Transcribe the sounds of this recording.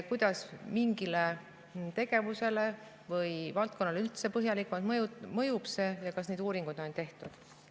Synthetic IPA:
kujd̪̥ɑsmiŋɡ̥ile | t̪e̞ɡ̥e̞vuse̞le | vɤjvɑlt̪̚konːɑleylt̪se̞pɤɦjɑlikːmɑlt̪mjumɤjub̥se̞jɑkɑsned̪uːɾiŋɡ̥ud̪̥o̞nt̪e̞ht̪ud̪̥

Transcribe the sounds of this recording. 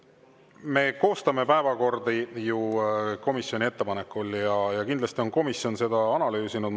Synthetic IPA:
me̞ko̞ːst̪ɑme̞pæevɑko̞rd̪ijuko̞misio̞nʲiet̪ːe̞pɑne̞kːˑuljɑjɑkind̪lɑst̪io̞nko̞misjo̞nse̞d̪̥ɑɑnɑlyːsinud̪

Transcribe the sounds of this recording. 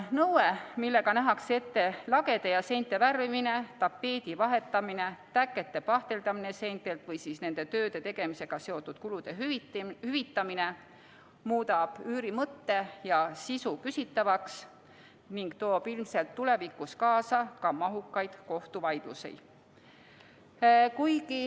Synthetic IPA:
nɤwemilːe̞ɡɑnæɦɑkse̞t̪ːe̞lɑɡe̞d̪̥e̞jɑse̞jnt̪ːˑe̞værvimine̞t̪ɑpːe̞ːd̪̥ivɑɦe̞t̪ːˑɑmine̞t̪ækːˑe̞t̪ːe̞pɑht̪e̞ld̪ɑmine̞se̞jnt̪ːˑelt̪vɤjsisne̞nd̪̥e̞t̪ø̞ːd̪e̞t̪e̞ɡ̥e̞mise̞ɡ̥ɑse̞o̞t̪ːˑud̪̥kulud̪̥e̞hyvit̪ːɑmine̞ | muːd̪ɑb̥yːɾimɤt̪ːe̞jɑsisukysit̪ːɑvɑks | niŋɡ̥t̪o̞ːb̥ilmse̞lt̪ːule̞vikuskɑːsɑkɑmɑɦukːˑɑjd̪̥ko̞ht̪uvɑjd̪̥ṵse̞̰j̪̥ | kujɡi

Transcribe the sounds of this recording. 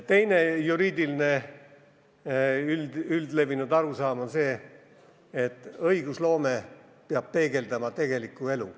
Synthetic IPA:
t̪e̞jne̞juɾiːd̪iline̞ | yld̪̥yld̪le̞vinud̪̥ɑɾusɑːmonse̞ː | t̪ːˑɤjɡ̥uslo̞ːme̞ | peɑb̥̚pe̞ːɡ̥e̞ld̪̥ɑmɑt̪e̞ɡ̥e̞likːˑue̞lṵ

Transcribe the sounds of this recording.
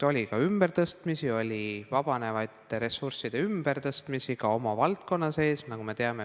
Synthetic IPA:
o̞lʲikɑymb̥e̞rt̪ɤst̪misio̞lʲivɑb̥ɑne̞vɑjt̪ːˑeɾe̞sursid̪e̞ymb̥e̞rt̪ɤst̪misiɡɑo̞mɑvɑlt̪̚ko̞nːɑse̞ːsnɑkume̞t̪e̞ɑme̞

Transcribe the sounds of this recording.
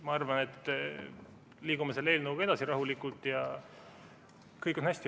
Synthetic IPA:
mɑɑrvɑne̞t̪ːˑ | liːɡumeselːeːlnɤwɡɑe̞d̪̥ɑsiɾɑɦulikult̪ˑjɑ | kɤjkonhæsʲt̪i

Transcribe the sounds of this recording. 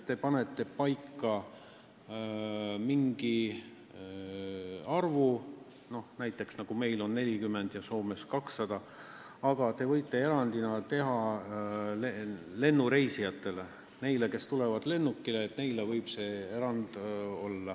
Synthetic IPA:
t̪ːe̞pɑne̞t̪ːˑe̞pɑjkːˑɑ | miŋɡ̥i | ɑrvu | no̞hnæjt̪ːˑe̞ksnɑɡ̥ume̞jlo̞nːe̞lʲikymːe̞nd̪̥jɑso̞ːme̞skɑksːɑd̪̥ɑ | ɑɡ̥ɑt̪e̞vɤ̞jt̪ːˑe̞e̞ɾɑnd̪inɑt̪e̞ɦɑ | lele̞nːuɾe̞jsijɑt̪ːˑe̞le̞ | ne̞jleke̞st̪ule̞vɑd̪le̞nːukːileːt̪ne̞jlevɤjb̥se̞e̞ɾɑnd̪̥o̞lːɑ

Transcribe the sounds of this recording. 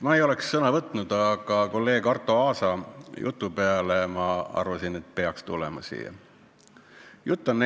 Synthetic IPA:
mɑejo̞le̞ksːɤnɑvɤt̪ˑnud̪̥ɑɡ̥ɑko̞lːe̞ːɡ̥ɑrt̪ːˑo̞ɑːsɑjʔṵt̪ːˑupeɑlemɑɑ̰rvɑsinet̪̚ːˑpe̞ɑkst̪ulɛ̰mɑsḭːɑ̰ | jut̪ːˑɑnːe

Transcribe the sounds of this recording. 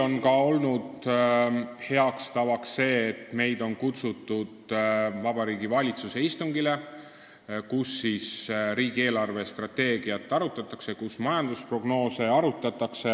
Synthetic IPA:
o̞nkɑo̞lnud̪̥ | he̞ɑkst̪ɑvɑksːe̞ːt̪ːme̞jd̪o̞nkut̪sut̪ˑːud̪̥vɑb̥ɑɾiːɡivɑlʲit̪suse̞ist̪uŋɡ̥ile̞ | kusːisɾiːɡ̥ie̞ːlɑrve̞st̪rɑt̪ːe̞ːɡ̥iɑt̪ːˑɑɾut̪ːˑɑt̪ːˑɑkse̞kusmɑjɑnd̪̥uspro̞ɡno̞ːse̞ɑɾut̪ːˑɑt̪ːˑɑkse̞

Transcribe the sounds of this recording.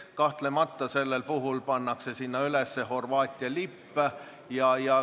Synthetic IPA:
kɑht̪lemɑt̪ːɑse̞lːelpuɦulpɑnːɑkse̞sinːɑylesːeho̞rvɑːt̪ʲːˑiɑlipːæ | jɑjɑ

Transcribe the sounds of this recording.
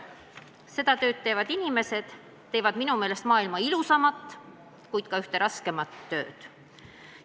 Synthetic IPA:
se̞d̪̥ɑt̪ø̞ːt̪̚t̪ːe̞ːvɑd̪inime̞se̞d̪̥ | t̪ːe̞ːvɑd̪̥minume̞ːle̞st̪mɑːilmɑilusɑmɑt̪ːˑ | kujd̪̥kɑyht̪e̞ɾɑske̞mɑt̪ːø̞̰ːd̪̥

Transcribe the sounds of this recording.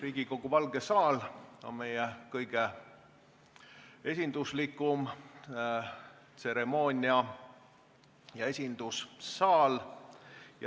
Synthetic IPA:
riːɡ̥iko̞ɡ̥uvɑlɡ̥e̞sɑːlo̞̰nme̞jɛkɤjɡ̥e̞ | e̞s̬ʲind̪uslikːˑum | t̪se̞ɾe̞mo̞ːnʲiɑ | jɑe̞sʲind̪ussɑːl | jɑ

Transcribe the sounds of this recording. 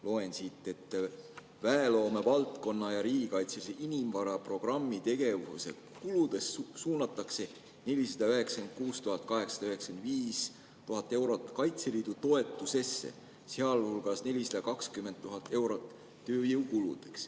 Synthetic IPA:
lo̞e̞nsit̪ˑːe̞t̪ˑː | væelo̞ːme̞vɑlt̪ˑko̞nːɑjɑɾiːɡ̥ikɑjt̪seseʔinimvɑɾɑpro̞ɡ̥rɑmːit̪e̞ɡ̥e̞vusḛtkulud̪̥e̞ssuːnɑt̪ːˑɑkse̞ | ne̞lʲisɑd̪ɑyɦe̞ksɑend̪̥̚kuːst̪uɦɑt̪̚ːˑkɑɦe̞ksɑ̥d̪ɑyɦe̞ksend̪viːs | t̪uɦɑt̪ːˑe̞wɾo̞t̪ːˑkɑjt̪seliːd̪ut̪o̞e̞t̪ːˑuse̞sːḛ | seɑlhulɡ̥ɑsne̞lʲisɑd̪̥ɑkɑkskymːe̞nd̪̚t̪ːuɦɑt̪ːˑe̞wɾo̞t̪ˑː | øːjewkulṵd̪̥e̞ks

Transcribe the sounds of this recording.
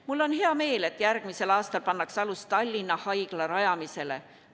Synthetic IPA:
mulːo̞nhe̞ɑme̞ːle̞t̪ːˑjærɡ̥mise̞lɑːst̪ɑlpɑnːɑksɑlust̪ɑlʲːinːɑhɑjɡ̥lɑɾɑjɑmise̞le̞̰

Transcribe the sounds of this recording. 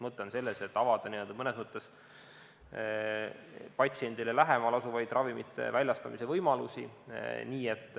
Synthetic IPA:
mɤt̪ˑːense̞lːese̞t̪ːˑɑvɑd̪̥ɑniø̞ld̪ɑmɤne̞smɤt̪ˑːe̞s | pɑt̪sie̞nd̪ilelæɦemɑlɑsuvɑjd̪rʔɑvimit̪ːˑḛvælʲjɑst̪ɑmise̞vɤjmɑlusiniːe̞t̪ːˑ

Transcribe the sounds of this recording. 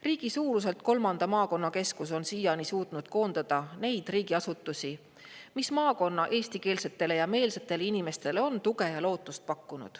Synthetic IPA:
riːɡ̥isuːɾus̬e̞lt̪̚ko̞lmɑnd̪̥ɑmɑːko̞nːɑke̞skus̬o̞nsijɑnisuːt̪nud̪̥ko̞ːnd̪̥ɑd̪̥ɑne̞jd̪̥riːɡ̥iɑsut̪ˑːusi | mismɑːko̞nːɑʔe̞ːsʲt̪ike̞ːlse̞t̪ːˑe̞le̞jɑme̞ːlse̞t̪ːˑe̞leinime̞st̪e̞leo̞nt̪uɡe̞jɑlo̞ːt̪ːˑust̪̚pɑkːunṵd̪̥

